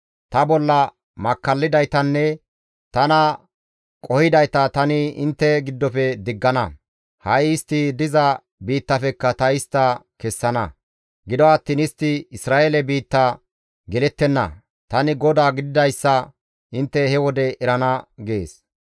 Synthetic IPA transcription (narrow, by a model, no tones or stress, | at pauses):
t̪ɐbɔlːɐ | mɐkːɐlːɪd̪ɐjt̪ɐnːɛ | t̪ɐnɐ | kʼɔhɪd̪ɐjt̪ɐt̪ɐnɪɪnt̪ːɛɡɪd̪ːɔfɛd̪ɪɡːɐnɐ | hɐjɪst̪ːɪd̪ɪzɐ | biːt̪ːɐfɛkːɐt̪ɐɪst̪ːɐ | kɛsːɐnɐ | ɡɪd̪ɔɐt̪ːiːnɪst̪ːɪɪsɾaːʔelɛbiːt̪ːɐ | ɡɛlɛt̪ːɛnːɐ̰ | t̪ɐnɪɡɔd̪aːɡɪd̪ɪd̪ɐjsːɐ | ʔɪnt̪ːɛhɛwɔd̪ɛʔɛɾɐnɐɡeːs